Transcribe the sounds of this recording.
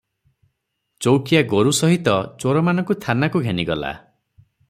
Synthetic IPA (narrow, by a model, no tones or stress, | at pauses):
t͡ʃowkijaɡoɾusɔɦit̪ɔt͡ʃoɾɔmanɔ̃ŋkust̪ʰanakuɡʱeniɡɔla̰